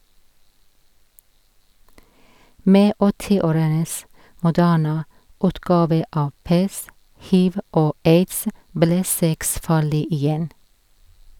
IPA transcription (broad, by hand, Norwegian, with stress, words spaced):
ˈmeː ˈɔtɪˌoːɾəns mʊˈdæːɳə ˈʉːtɡɑːʋə ˈɑː ˈpɛst ˈhiːʋ ˈoː ˈeɪdsə ˈblɛ ˈsɛks ˈfɑːɭɪ ɪˈjɛn